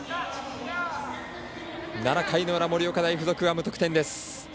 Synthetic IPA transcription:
naɾakʰaino̞ɾamo̞ɾʲio̞kad̪aiɸɯzo̞kɯ̟βamɯ̟t̪o̞kɯ̟t̪ẽ̞nd̪e̞sɨ̥

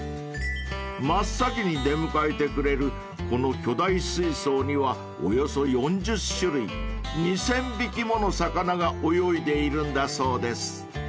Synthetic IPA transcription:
masːakʲiɲ̟id̪e̞mɯ̟kaet̪e̞kɯ̟ɾe̞ɾɯ̟ | ko̞no̞kʲo̞d̪aisɨiso̞ːɲ̟iβa | o̞̰jo̞so̞jõ̞ɲd͡ʑɨɕːɯɾɯ̟iɲisẽ̞mbʲikʲimo̞no̞sakanaɡaʔo̞jo̞id̪e̞iɾɯ̟̃nd̪aso̞ːd̪e̞sɨ̥

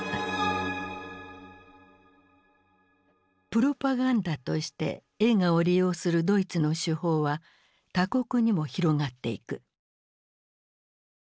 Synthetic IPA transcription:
pɯ̟ɾo̞paɡãnd̪at̪o̞ɕi̥t̪e̞̰ | e̞ŋao̞ɾʲijo̞ːsɨɾɯ̟d̪o̞it͡sɨno̞ɕɨho̞ːβa | t̪ako̞kɯ̟ɲ̟imo̞çiɾo̞ɡat̪ːe̞̰ḭkɯ̟

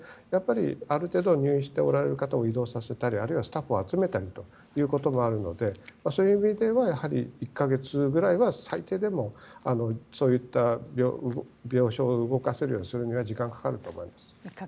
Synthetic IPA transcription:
japːaɾʲḭaɾɯ̟t̪e̞ːd̪o̞ɲ̟ʲɨːĩɕi̥t̪e̞o̞ɾaɾe̞ɾɯ̟kat̪aoid̪o̞ːsase̞t̪aɾʲiaɾɯ̟iβasɨ̥t̪aɸɯ̞at͡sɨme̞t̪aɾʲit̪o̞ | jɯ̟ːko̞t̪o̞mo̞aɾɯ̟no̞d̪e̞maso̞ːjɯimʲid̪e̞βajahaɾʲiikːaɡe̞t͡sɨɡɯ̟ɾaiβasait̪e̞ːd̪e̞mo̞ano̞so̞ːit̪ːabʲobʲjo̞ːɕo̞ːɯɡo̞kaseɾɯ̟jo̞ːɲʲisɨɾɯ̟ɲ̟iβad͡ʑikãŋkḁkaɾɯ̟t̪oːmo̞ḭmasɨ̥

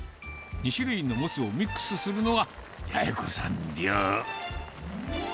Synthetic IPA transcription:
ɲiɕiɾɯ̟inːo̞mot͡sɨo̞mʲikːɯ̥sɨsɨɾɯno̞ɡa | jajakosãndʲjoː

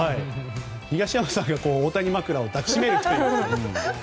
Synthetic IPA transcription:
ai | çiɡaɕiamasãŋɡako̞ːot̪aɲ̟imakɯ̟ɾao̞d̪akʲi̥ɕɕime̞ɾɯ̟kit̪e

